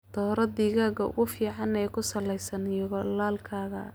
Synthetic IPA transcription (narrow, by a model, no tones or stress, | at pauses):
d̪̥ɔːɾɐd̪iːɣaːɡɐʊ̰ɣʊfiːʕɑnɛjkʰʊsɐlɛjsɐnjɔɣɔlaːlkʰaːɣɐ̰